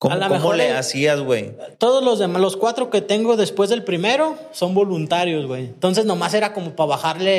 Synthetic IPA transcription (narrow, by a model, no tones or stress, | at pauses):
koalamkexoɾleasiazɣwḛjt̪o̞ðo̞zlo̞zðe̞malo̞skwat̪ɾo̞ke̞t̪e̞ŋɡo̞ðe̞spwe̞zðe̞lpɾime̞ɾo̞ | so̞mbo̞lunt̪aɾjo̞zwejent̪o̞ns̬e̞zno̞mase̞ɾako̞mo̞paβaxaɾle̞